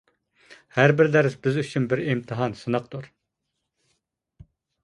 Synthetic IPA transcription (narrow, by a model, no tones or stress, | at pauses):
hæɾbɪɾd̪ɛɾɪsbɪzyt͡ʃʰynbɪɾimt̪ʰɨɦɑnsɨnɑq̚t̪uɾ